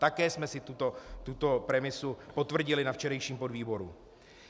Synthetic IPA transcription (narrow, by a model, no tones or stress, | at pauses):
t̪akɛːsmɛsɪt̪ut̪ot̪ut̪o̞pɾɛmɪsupo̞t̪vr̩ɟɪlɪnaft͡ʃɛɾɛjʃiːmpo̞dviːbo̞ɾṵ